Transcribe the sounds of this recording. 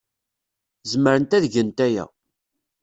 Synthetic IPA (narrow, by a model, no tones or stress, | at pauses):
zməɾənt̪æðʝənt̪æjæ̰